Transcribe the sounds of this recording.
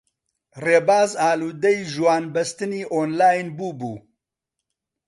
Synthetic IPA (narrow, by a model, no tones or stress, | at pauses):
reːbaːzaːluːd̪ɛjʒwaːnbɐst̪ɨniːʔoːnlaːjnbuːbṵː